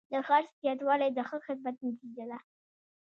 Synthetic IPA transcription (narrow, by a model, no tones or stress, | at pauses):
d̪əxɑɾst̪jɑt̪wɑlajd̪əxəxɪd̪̚mat̪̚nat̪id͡ʒad̪a